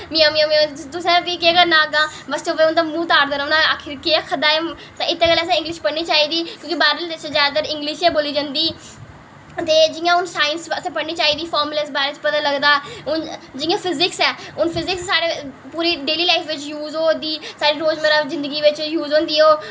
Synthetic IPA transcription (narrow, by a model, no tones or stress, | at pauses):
mĩãːmĩːãmĩt̪ʊsɛ̃ːʋikeəɡəɾnãːɡãːbəst̪oːʋeʊnd̪aːmũːt̪aːɾd̪əːɾʊnaaːkʰɪɾkeakʰəd̪aːɛː | t̪ãːɪt̪ːeːkəlɛːsɛ̃ːɪ̃ŋɡlɪʃpəɽɳiːt͡ʃaːiːd̪iːkjõːkibaːɾəlt͡ʃːzjaːd̪at̪əɾɪ̃ŋɡlɪʃɛːboːliːd͡ʒãnd̪iː | t̪eːd͡ʒɪjãːʊnsaːɪnsəsãːpəɽniːt͡ʃaːiːd̪iːpʰɔːɾmləsbaːɾet͡ʃpət̪ãːləɡd̪aːʊnd͡ʒɪ̃jãːpʰɪzɪksɛːʊnpʰɪzɪksːaːɽeː | puːɾiːɖeːliːlaːɪfʰʋɪt͡ʃjuːzoːd̪iːsaːɽiːɾoːd͡ʒmeːɾaːzɪ̃nd̪əɡiːʋɪt͡ʃjuːzõːnd̪iːoː